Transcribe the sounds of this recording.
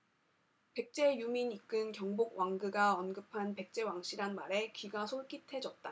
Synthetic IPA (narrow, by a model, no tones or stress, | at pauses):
pe̞k̚t͡ɕ͈e̞juminik̚k͈ɯnkjʌŋboɡ̚waŋɡɯɡaʌnɡɯpʰanpe̞k̚t͡ɕ͈e̞waŋɕ͈ʰiɾanmaɾe̞kiɡasʰoɭk͈itʰe̞d͡ʑʌt̚t͈a